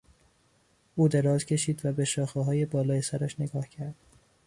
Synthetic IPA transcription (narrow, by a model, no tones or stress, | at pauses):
uːd̪eɾɒːzcʰe̞ʃiːd̪væbeʃɒːxeɦɒːje̞bɒːlɒːjesæɾæʃne̞ɡɒːhcʰæɾd̪̥